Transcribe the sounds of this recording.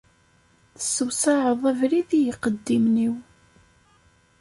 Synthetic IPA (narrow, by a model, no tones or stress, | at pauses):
θəsːəwsaʕəðˤævɾiðijəqːəd̪ːimniw